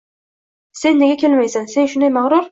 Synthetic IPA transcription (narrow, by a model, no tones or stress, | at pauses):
se̞nːeɡʲakʲʰe̞lmajsansenʃʊnd̪ajmaʁɾʊɾ